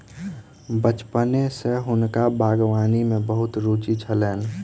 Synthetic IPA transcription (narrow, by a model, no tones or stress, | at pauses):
bət͡ʃpənẽseɦʊnkabʱaːɡwaːnimẽbəɦʊt̪ɾuːt͡ʃit͡ʃʰəlɛːn